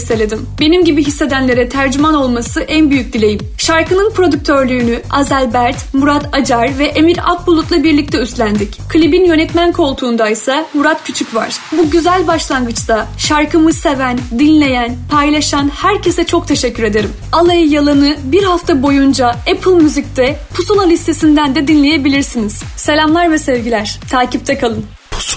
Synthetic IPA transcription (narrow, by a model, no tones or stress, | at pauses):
sːe̞lʲe̞d̪imbe̞nimɟibiɦisːe̞d̪ænlʲe̞ɾɛt̪ʰæɾd͡ʒymano̞lˠmasɯʔænbyjyc̚d̪ilʲe̞jimʃaɾkɯnɯnpɾo̞d̪yc̚ʲt̪ʰø̞ɾlʲyːnyazælʲbæɾt̪muɾat̪ad͡ʒaɾvɛʔemiɾa̰k̚bulˠut̪lˠabiɾlʲic̚t̪ʰɛyst̪lʲænd̪ickʰɯlʲibinjø̞nɛt̪mænkʰo̞lˠt̪ʰuːnd̪ajsamuɾat̪cʰyt͡ʃʰycva̰ɾ̥buɟyzælʲbaʃlˠanɡɯt͡ʃt̪ʰaʃaɾkɯmɯse̞vænd̪inlʲe̞jænpʰajlˠaʃanhæɾcʰe̞sɛt͡ʃʰo̞k̚t̪ʰe̞ʃɛcʰːyɾe̞d̪e̞ɾimalˠajɯjalˠanɯbiɾhaft̪ʰabo̞jund͡ʒaɛpʰɯlˠmyzict̪ʰɛpʰusonalʲist̪ʰesind̪ænd̪ɛd̪inlʲe̞je̞bilʲiɾsiniz̥ | se̞lʲamlˠaɾvɛsevɟilʲæɾ̥t̪ʰaːcip̚t̪ʰɛkʰalˠɯn